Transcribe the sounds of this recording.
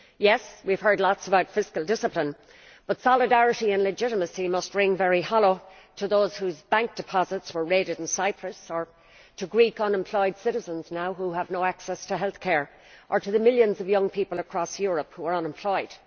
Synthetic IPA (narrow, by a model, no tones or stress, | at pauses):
jɛswiv̥ɦɜ˞dˡlɑtsəbaʊtfɪskəlˠdɪsəplɪ̃n | b̥ʌtsɑlɪdæɹɨɾiə̃nlɨd͡ʒɪɾəməsimʌst̚ɹɪ̃ŋvɛɹihɑloʊ | ɾʰəðoʊz̥huzbæ̃ŋk̚d̥ɨpʰɑzətswə˞ɹeɪɾɨɾ̃n̩saɪpʰɹəsə˞ | ɾʰəɡɹikʌ̃nɛ̃mpʰl̥ɔɪd̥sɪɾɨzə̃nznaʊɦuəvnoʊaksɛstʰəɦɛlθkʰɛɹ | ʔə˞ɾəðəmɪljə̃nzʌvjʌ̃ŋpʰipəlˠəkʰɹ̥ɔsjɔɹəphuə˞ʌ̃nə̃mpʰl̥ɔɪd̥